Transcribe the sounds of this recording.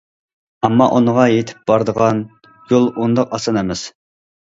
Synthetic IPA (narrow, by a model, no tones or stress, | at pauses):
ɛmːɑʔunəʁɑjet̪ʰɪ̥p̚b̥ɑɾd̪əʁɑn | jolˠund̪ɑqɑsɑnɛmɪz̥